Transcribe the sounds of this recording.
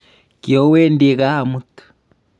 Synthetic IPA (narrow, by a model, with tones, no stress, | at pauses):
kjo˦we˦ndi˨ɣa˦a˨mu˦tu̥